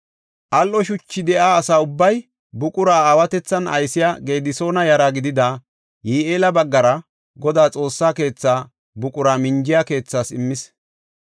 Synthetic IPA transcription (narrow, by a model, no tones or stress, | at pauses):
ʔɐlʔɔʃʊt͡ʃːɪd̪ɛʔaːsaːʊbːɐj | bʊkʼʊɾaːaːwɐt̪ɛt͡sːɐnɐ̰jsɪjaɡe̞ːd̪ɪso̞ːnɐjɐɾaɡɪd̪ɪd̪a | jiːeːlɐbɐɡːɐɾɐ | ɡɔd̪aːt͡sʼo̞ːsːaːke̞ːt͡sːaː | bʊkʼʊɾaːmɪnd͡ʒɪjake̞ːt͡sːaːsɪ̰mːɪs